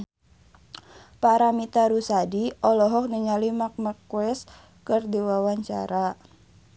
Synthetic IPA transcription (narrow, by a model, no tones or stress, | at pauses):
paɾamit̪aɾusadiɔlɔɦɔk̚niŋalimak̚makwɛs | kərdiwawaɲt͡ʃa̰ɾa